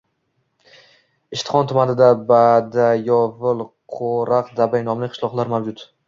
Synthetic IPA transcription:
ɪʃt̪ɪ̥χɒnt̪ʰʊmanɪd̪abad̪ajɒvɪlˠqʰoɾaqd̪abajnɒmlɪqʰɨ̥ʃlˠɒqlˠaɾmawd͡ʒʊt̪

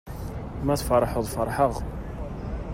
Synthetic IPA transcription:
mæθfɑɾˤɑħoðˤfɑɾˤħəʁ

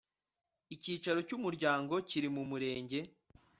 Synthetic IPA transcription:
iciːt͡ʃaɾo̞cumuɾɟaːŋɡo̞ciɾimumuɾe̞ːɲɟe̞

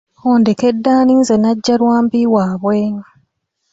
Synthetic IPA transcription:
oːndekedːaːniːnzenaɟːalwaːmbiwaːβweːŋa

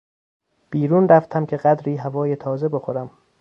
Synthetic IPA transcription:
b̥iːɾuːnɾæft̪ʰæmcʰe̞ɢæd̪ɾiːɦævɒːjet̪ʰɒːze̞bo̞xoɾæm

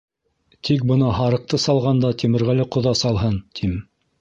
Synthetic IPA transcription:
t̪ʰik̚bɤ̆nɑɦɑɾɤ̆q̚t̪ɤsɑlˠʁɑnd̪ɑt̪ʲimɘ̆ɾʁælɘqŏðɑsɑlˠɦɤnt̪ʰim

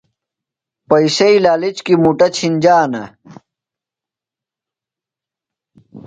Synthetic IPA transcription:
pɐisɐilaːlit͡ɕkimuʈɐt͡ɕʰind͡ʑaːnɐ̰

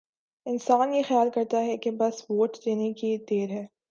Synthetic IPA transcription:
ɪnsaːnjexjaːlkɐɾt̪aɦɛkebɐsʋoːʈd̪eːnekit̪eːɾɦɛː

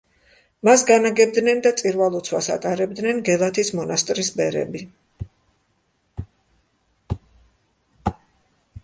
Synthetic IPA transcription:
masɡanaɡɛb̚d̪nɛnd̪at̪sʼiɾvalˠɔt̪sʰwasa̰t̪ʼaɾɛbd̪nɛnɡɛlˠat̪ʰismɔnast̪ʼɾisbɛɾɛ̰bi

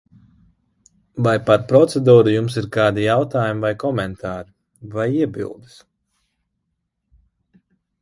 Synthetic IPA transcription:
vajpaɾpɾɔt̪sɛd̪uːɾujumsiɾkɑːd̪ijawt̪aːjumivajkɔmɛnt̪ʰaːɾi | vajiɛbʲḭlˠd̪ɨs

